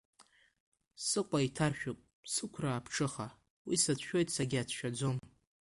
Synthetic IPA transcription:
sɨqʷʼaitʰarʃᶣopʼ | sɨkʷʰraːpʰʈ͡ʂʰɨχa | wisat͡sʰʃᶣo̞jtʼsaɡʲɪat͡sʰʃᶣad͡zo̞m

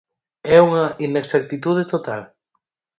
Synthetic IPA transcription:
ɛuŋɐʔineksak̚t̪it̪uð̞et̪ot̪al

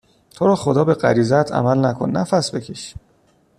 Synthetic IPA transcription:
t̪ʰo̞ɾɒːxod̪ɒːbe̞ɢæ̰ɾiːzæt̪ʰæ̰mælnækʰonːæfæsbe̞cʰeʃ

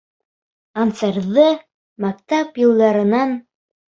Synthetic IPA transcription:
ant̪seɾðɤ | mæk̚t̪apjŭlˠd̪ɑɾɤ̆nɑn

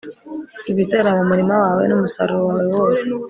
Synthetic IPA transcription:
iβizeɾaβomuɾimawawḛnumusa̰ɾuowawewoːse

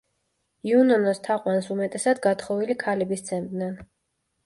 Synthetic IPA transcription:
iunɔnɔst̪ʰaqʼwansumɛt̪ʼɛsad̪ɡat̪ʰχɔvilikʰalɛbist̪sʰɛnt̪ʼnɛn

